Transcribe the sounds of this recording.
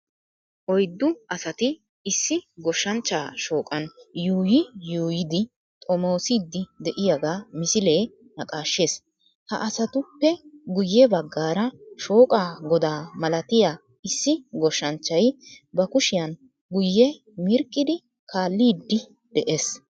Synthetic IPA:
ʔɔjd̪ːʊʔɐsɐt̪ɪ | ɪsːɪɡɔʃːɐnt͡ʃːaːʃo̞ːkʼɐnjuːjɪjuːjɪd̪ɪ | t̪ʼɔmo̞ːsiːd̪ːɪd̪ɛʔɪjaɡaːmɪsɪle̞ː | nɐkʼaːʃːeːs | hɐ̰ʔɐsɐt̪ʊpːɛɡʊjːɛbɐɡːaːɾɐʃo̞ːkʼaːɡɔd̪aːmɐlɐt̪ɪja | ɪsːɪɡɔʃːɐnt͡ʃːɐj | bɐkʊʃɪjɐn | ɡʊjːɛ | mɪɾkʼːɪd̪ɪ | kʰaːlːiːd̪ːɪ | d̪̥ɛʔe̞ːs

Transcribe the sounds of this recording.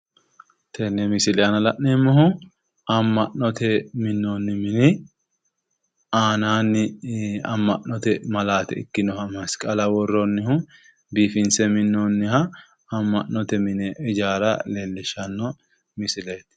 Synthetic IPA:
t̪ʰɛnːɛmɪsɪlɛjɐnɐlɐʔneːmːɐɦʊ | ɐmːɐʔːɔt̪ʰɛmɪnːoːnːɪmɪnɪ | aːnaːnːɪɐ̰mːɐʔɔt̪ɛmɐlaːt̪ɛɪ̰kːɪnɔhɐmɐskʼɐlɐwɔrːɔnːɪhʊ | biːfɪnsɛmɪnːɔnːɪhɐ | ɐmːɐʔːɔt̪ɛmɪnɛɛd͡ʒaːɾɐ̰leːlːɪʃɐnːɔ | mɪsɪleːt̪

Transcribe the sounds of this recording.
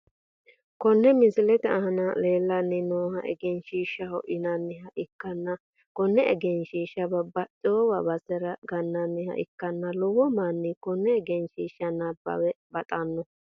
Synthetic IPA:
kɔnːɛmɪsɪlɛt̪ɛɐɦɐnɐle̞ːlːɐnːɪnoːhɐʔɛ̰ɡɛnʃiːʃːɐhɔʔɪnɐnːɪhɐʔɪkːɐnːɐ | kɔnːɛɛ̰ɡɛnʃiːʃːɐbɐbɐt͡ʃʼɔɔwɐbɐsɛɾɐɡɐnːɐnːɪhɐ̰ʔɪ̰kːɐnːɐlɔwɔmanːɪkɔnːɛɛɡɛnʃiːʃːɐnɐbɐ̰wɛbɐt̪ʼɐnːɔ

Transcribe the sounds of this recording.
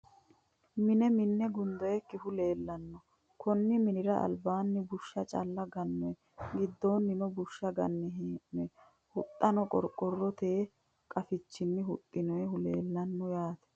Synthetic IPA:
mɪnɛmɪnːɛɡʊnd̪ɔjɛkːɪhʊle̞ːlːɐnːɔ | kʰɔnːɪmɪnɪɾɐʔɐ̰lbaːnːɪbʊʃːɐt͡ʃʼɐ̰lːɐɡɐnːɔɛ | ɡɪd̪ːo̞ːnːɪnɔbʊʃːɐɡɐnːɛɦɛ | hʊt̪ʼːɐnɔkʼɔ̰ɾkʼːɔrːɔt̪eː | kʼɐfɪt͡ʃːɪnːɪɦʊt̪ʼːɪnɔjɛhʊleːlːɐnːɔjaːt̪ɛ̥

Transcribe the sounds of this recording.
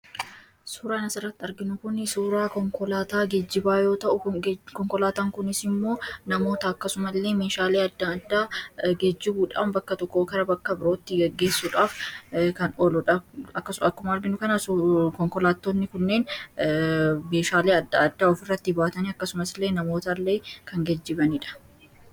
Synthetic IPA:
suːɾaːnɐsɪrːɐt̪ːɪɐɾɡɪnʊkʊnsuːɾaːkɔŋkɔlaːt̪aːɡed͡ʒːɪbaːjo̞ːt̪ɐʔʊkɔŋkɔlaːt̪aːŋkʊnɪsɪmːo̞ːnɐmo̞ːt̪ɐɐkːɐsʊmɐlːe̞ːme̞ːʃaːleːɐd̪ːɐɐd̪ːaːɡed͡ʒːɪbuːᶑa̰ːmbɐkːɐt̪ɔkːoːkɐɾɐbɐkːɐbɪɾo̞ːt̪ːɪɡɛɡːe̞ːsːuːᶑaːfkɐnɔlɔᶑɐɐkːɐsɐkːʊmɐɐɾɡɪnʊkɐnɐskɔŋkɔlaːt̪ːoːnːɪkʊnːe̞ːn | me̞ːʃaːleːɐd̪ːɐɐd̪ːaːɔfɪrːɐt̪ːɪbaːt̪ɐniːɐkːɐsʊmɐslːe̞ːnɐmo̞ːt̪ɐlːe̞ːkɐŋɡɛd͡ʒːɪbɐniːᶑɐ̥

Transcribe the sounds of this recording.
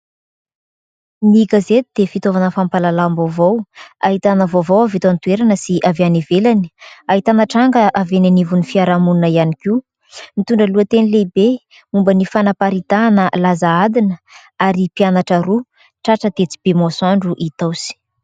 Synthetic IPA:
miɡazet̪id̪̥efit̪ovanəfampalalambovowaɦit̪anəvovowavit̪ant̪uweɾanəsiʔaveanivelani̥aɦit̪anəʈ͡ʂaŋɡəʔavenanivunifiaɾamunnəianikiu | mit̪uɳɖ͡ʐəluət̪enilebe | umbənifanapaɾit̪anəlazaad̪inə | aɾipianaʈ͡ʂəɾu | ʈ͡ʂaʈ͡ʂət̪et͡si̥b̥emosaɳɖ͡ʐuʔit̪awsi̥

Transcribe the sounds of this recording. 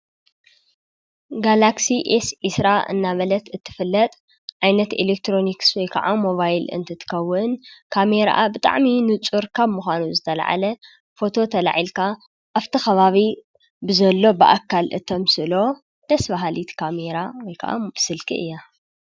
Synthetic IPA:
ɡalaksiʔesʔisɾaʔɨ̰nːaβɐlɐt̪ɨt̪ʰːɨ̥fɨlːɐt̪ʼ | ʕajnɐt̪ḛlek̚t̪ʰɾo̞nikswɔjkʰɐ̰ʕamo̞βajlɨ̰nt̪ʰɐt̪ʰɨ̥kʰɐwːɨnkʰame̞ɾa̰ʔabɨt̪ʼa̰ʕminɨt͡sʼuɾkʰaβmuxʷanuzɨt̪ʰɐla̰ʕa̰lɐ | fo̞t̪ʰo̞t̪ʰɐla̰ʕilkʰa | ʔaβt̪ʰɨxɐβaβi | bɨzɐlːo̞bɨʔa̰kʰːalʔɨt̪ʰomsɨlo̞ | d̪̥ɐsbaɦalit̪kʰameɾawɔjkʰa̰ʔa̰bɨsɨlkʰḭʔɨ̰jːa

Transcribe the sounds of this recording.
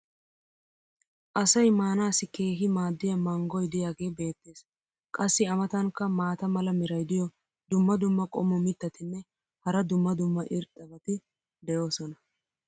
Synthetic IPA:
ʔɐsɐjmaːnaːsɪke̞ːɦɪmaːd̪ːɪjɐmɐŋɡɔjd̪ɪjaːɡe̞ːbe̞ːt̪ːe̞ːs | kʼɐsːɪɐmɐt̪ɐŋkːɐmaːt̪ɐmɐlɐmɪɾɐjd̪ɪjɔ | d̪ʊmːɐd̪ʊmːɐkʼɔmːɔmɪt̪ːɐt̪ɪnːɛ | hɐɾɐd̪ʊmːɐd̪ʊmːɐʔɪɾt̪ʼːɐbɐt̪ɪ | d̪ɛjo̞ːsɔnɐ

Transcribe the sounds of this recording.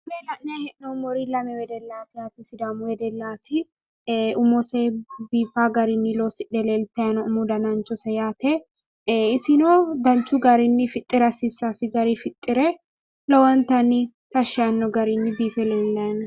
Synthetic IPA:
melɐʔnehɛʔnɔʊmɔɾilɐmɛwɛd̪ɛlːaːt̪ɪjaːt̪isɪd̪amʊwɛd̪ɛlːaːt̪ʰi | ʔʊmɔsebiːfaːɡɐɾɪnːɪloːsɪᶑɛleːlt̪ɐjɐnɔʊmud̪ɐnɐnt͡ʃɔsɐjaːt̪ʰe | ɪsɪnoːd̪ɐnt͡ʃːuɡɐɾɪnːɪfɪt̪ʼːɪɾɐsɪsːaːsɪɡɐɾifɪt̪ʼːɪɾɛ | lɔwɐnt̪ɐni | t̪ɐʃɐnːɔɡɐɾinːɪbiːfɛleːnlɐɐn

